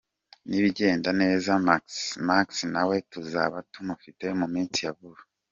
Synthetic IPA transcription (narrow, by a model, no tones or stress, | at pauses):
niβiɟe̞ːndane̞ːzamaksmaksinawe̞tuza̰βatumufite̞mumiːnt͡sijaβuɾu